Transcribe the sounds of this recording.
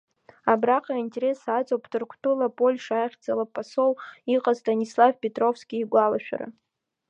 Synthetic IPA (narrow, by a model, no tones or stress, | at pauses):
abraqʼaintʲʼe̞ɾe̞sat͡sʼowpʰtʰɨrkʷʰtʰʼulapʼo̞lʲʂaχʲd͡zalapʼaso̞wiqʼaztanʲislavpʲʼetʼro̞fskʲʼiːɡʷalaʃᶣa̰ra̰